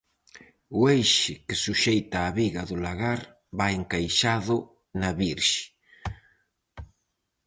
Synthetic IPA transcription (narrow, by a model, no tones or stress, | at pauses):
ʊejʃɪkɪsuʃejt̪aːβiɣɐðʊlaɣaɾ | baeŋkajʃaðʊ | naβiɾʃɪ̥